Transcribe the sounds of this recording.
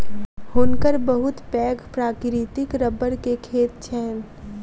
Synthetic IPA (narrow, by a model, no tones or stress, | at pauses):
hoːnkəɾbɐɦʊt̪pɛːɡpɾaːkɾit̪ɪkɾəbəɾkekʰeːt̪̚t͡ʃʰɛːn